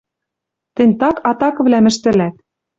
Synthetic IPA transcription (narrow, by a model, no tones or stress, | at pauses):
t̪ɘ̆nʲt̪ɑkɑt̪ɑkɤ̆vlæmɘ̆ʃt̪ɘ̆læt̪̚